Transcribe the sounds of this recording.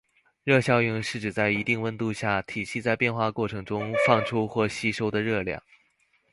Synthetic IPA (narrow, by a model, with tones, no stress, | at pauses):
ɻɤ˥˧ɕjɑ˥˧ʊy˥˧ŋʂɻ̩˥˩ʈ͡ʂɻ̩˨˩t͡sa˥˩ɪi˧˥t̪i˥˩ŋwə˥nt̪u˥˧ɕja˥˩t̪ʰi˨˩ɕi˥˧t͡sa˥˧ɪpjɛ˥˧nxwa˥˧kwɔ˥˩ʈ͡ʂʰɤ˧˥ŋʈ͡ʂʊ˥ŋfɑ˥˩ŋʈ͡ʂʰu˥xwɔ˥˩ɕi˥ʂo˥ʊd̪ə˨ɻɤ˥˧ljɑ̰˥˩ŋ